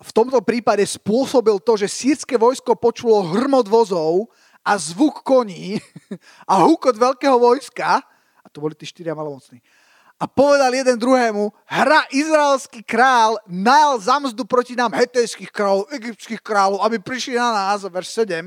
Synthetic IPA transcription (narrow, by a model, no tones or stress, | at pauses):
ft̪ɔmt̪ɔpɾiːpaɟɛspʊɔsɔbilt̪ɔʒɛsiːɾskɛʋɔjskɔpɔt͡ʃulɔɦr̩mɔd̪ʋɔzɔʊ | ʔazʋukːɔɲiː | ʔaɦukɔd̪ʋɛlkɛːɦɔʋɔjska | at̪ɔbɔlit̪iːʃt̪iɾɪamalɔmɔt͡sni | ʔapɔʋɛd̪aljɛd̪ɛnd̪ɾuɦɛːmu | ɦɾaʔizɾaɛlskikɾaːlnajalzamzd̪upɾɔcinaːmɦɛt̪ɛjskixkɾaːlɔʊɛɡip̚t͡skixkɾaːlɔʊabipɾiʃlinanaːzʋɛɾʃsɛɟɛm